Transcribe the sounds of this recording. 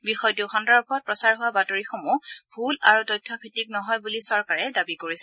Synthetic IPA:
bixɔjtuxɔndaɹbʰʱɔt̚pɹɔsaɹɦʊwabatoɹixomub̥ʱula̰ɹutɔjtʰːɔpʰitik̚nɔɦɔjbulisɔɹkaɹɛdabikoɹisɛ

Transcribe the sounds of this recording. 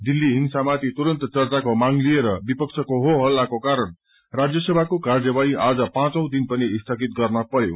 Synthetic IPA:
d̪ilːiɦiŋsamat̪it̪uɾʌnt̪t͡sʌrt͡sakomaŋlieɾʌbipʌkt͡sʰʌkoɦoɦʌlːakokaɾʌn | rad͡zjʌsʌbʱakokard͡zʌbaiʔad͡zʌpãt͡sʌ̃w̃d̪inpʌniːst̪ʰʌkit̪̚ɡʌrnʌpʌjo̰

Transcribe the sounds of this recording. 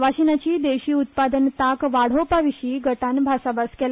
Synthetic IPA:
ʋaɕinat͡ɕiːd̪eɕiːut̪̚pad̪ənt̪akʋaɽ̤opaʋiɕiːɡəʈanbʱasabaskɛl

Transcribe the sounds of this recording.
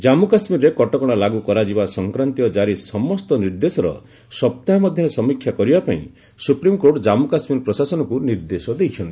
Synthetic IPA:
d͡ʒamukasmiɾɾekɔʈɔkɔɽ̃alaɡukɔɾad͡ʒibasɔŋkɾant̪iɔd͡ʒaɾisɔmɔst̪ɔniɾd̪esɔɾɔ̰ | sɔp̚t̪aɦmɔd̪ʱjɔɾesɔmikʰːjakɔɾibapaḭ̃ | supɾimkoʈd͡ʒamukasmiɾpɾɔsasɔnɔkuniɾd̪esɔd̪ejt͡ʃʰɔnt̪ii

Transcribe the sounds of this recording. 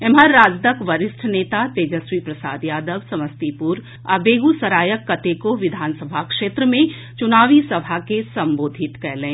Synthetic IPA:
emɦaɾːaːd͡ʒd̪əkʋɐɾɪsʈʰneːt̪at̪eːd͡ʒəswipɾɐsaːd̪jaːd̪əʋsɐməst̪ipuɾ | a̰beːɡusɐɾaːjəkːɐt̪ekoʋɪd̪ʱaːnsəbʱakʃeːt̪ɾəmẽ | t͡ʃʊnaːʋisɐbʱakesɐ̃mboːd̪ʱɪt̪kɛɦlẽː

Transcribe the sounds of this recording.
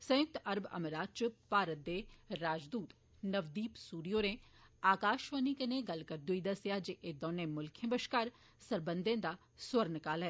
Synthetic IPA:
sɐ̃jʊk̚t̪ɐɾbɐ̰məɾaːd̪̚t͡ʃʊpaːɾət̪ːeɾaːd͡ʒd̪uːt̪ | nɐʋd̪iːpsuːɾijoːɾẽ | aːkaːʃʋaːnikɐnẽɡɐlkɐɾd̪ʊid̪ɐsjad͡ʒeʔed̪ɔːnẽmʊlkʰjẽbəʃkaːɾ | sɐɾbə̃nd̪ẽːd̪a | swɐɾnkaːlɦɛː

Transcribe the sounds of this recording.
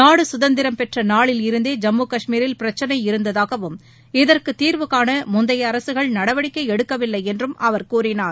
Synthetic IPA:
naːɽɯsʊðɐnd̪ɪɾɐmpɛʈrɐnaːɭɪlɪɾɯnd̪eːd͡ʒɐmːuːkɐʂmiːɾɪlpɪɾɐt͡ʃːɐnɐɪɪɾɯnd̪ɐðaːɣɐʋɯm | ɪðɐrkɯt̪ːiːɾʋɯɣaːnɐmʊnd̪ɐjɐːɾɐsɯɣɐɭnɐɽɐʋɐɽɪkːɐɪɛɽɯkːɐʋɪlːɐɪɛndrɯmʔɐʋɐɾkuːrɪnaːɾ

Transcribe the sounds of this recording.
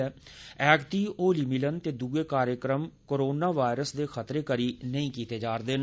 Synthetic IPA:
ɛː | ɛːkt̪iːoːlimilənt̪eːd̪uːeːkaːɾjəkɾəmkoːɾoːnaːʋaːɪɾəsd̪eːxʰət̪ɾeːkəɾiːnəĩːkiːt̪eːd͡ʒaːɾd̪en

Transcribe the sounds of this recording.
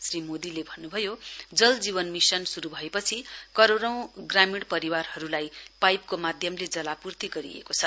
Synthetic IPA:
srimod̪ilebʱʌnːubʱʌjod͡zʌld͡ziβʌnmisʌnsuɾubʱʌepʌt͡sʰikʌɾoɾʌ̃w̃ɡramiɽpʌɾiwarhʌɾulajpajp̚komad̪ʱjʌmled͡zʌlapurt̪iɡʌɾḭḛkot͡sʰʌ

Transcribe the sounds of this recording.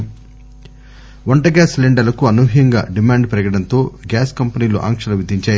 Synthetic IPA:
ʋɐɳʈɐɡaːsleɳɖɐlɐkuɐnuɦijɐŋɡa̰ːɖimaːɳɖpɾɐɡɐɽɐnt̪o̞ːɡaːskɐmpɐniːlṵʔa̰ːŋkʂɐlɐʋid̪ʱiɲt͡ʃaːj

